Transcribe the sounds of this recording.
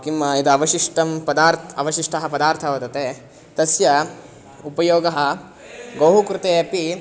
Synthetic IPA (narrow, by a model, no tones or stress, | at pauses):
kimːɐid̪ɐɐʋɐʃiʂʈɐmpɐd̪aːɾt̪ʰɐʋɐʃiʂʈɐɦɐpɐd̪aːɾt̪ʰɐʋɐt̪ɐt̪eː | t̪ɐsjɐ | upɐjoːɡɐɦɐ | ɡɐwɦukɾɪt̪eːɐpi